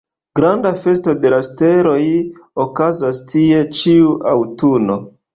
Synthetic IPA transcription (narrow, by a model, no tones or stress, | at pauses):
ɡɾandafe̞sto̞de̞laste̞ɾo̞jokazastʰie̞t͡ʃiuʔawtuno̞